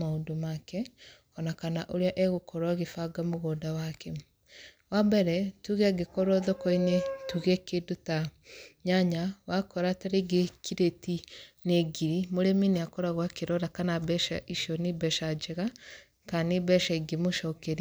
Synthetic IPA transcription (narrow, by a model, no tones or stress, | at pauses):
maodomakɛ | ɔnakanaʔoɾeaʔɛɣokɔɾwaɣefaɡamoɣoːdawakɛ | wabɛɾɛtuɣɛaɡekɔɾɔðɔkɔinɛtuɣɛkedota | ɲaɲawakɔɾataɾeɡekʰiɾetinɛɡiɾimoɾemineakɔɾaɣwakeɾɔɾakanabɛʃaʔiʃɔnibɛʃad͡ʒɛɣa | kanebɛʃaiɡemoʃɔkɛɾi